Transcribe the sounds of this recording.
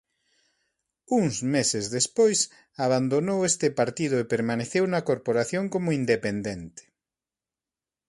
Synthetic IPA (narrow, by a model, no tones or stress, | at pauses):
uŋzmesezðespojs | aβand̪onowest̪ɪpaɾt̪ið̞ʊepeɾmaneθewnɐkoɾpoɾaθjoŋkomʊind̪epend̪ent̪ɪ̥